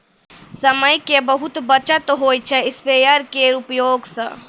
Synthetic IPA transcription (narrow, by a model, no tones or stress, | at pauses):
səməjkebəɦut̪bət͡ʃət̪ɦoːjt͡ʃʰɛɪspeːjəɾkeɾupjoːɡsə̰̃